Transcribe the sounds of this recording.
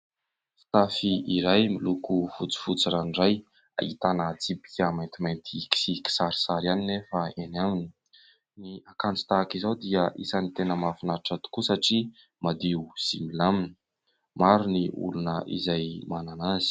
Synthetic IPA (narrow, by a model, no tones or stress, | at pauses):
fi̥t̪afiiɾajmilukufut͡si̥fut͡siɾanɖ͡ʐaj | a̰ḭt̪anət͡sipi̥kʲəmajnt̪imajnt̪ʰiki̥siki̥saɾi̥saɾianinefəenamini̥ | niakant͡si̥t̪akizawd̪iəʔḭsanit̪enəmafinaɾʈ͡ʂat̪u̥kusaʈ͡ʂi | mad̪iuz̥imilamini̥ | maɾuniṵlunəʔḭzajmananaz̥i̥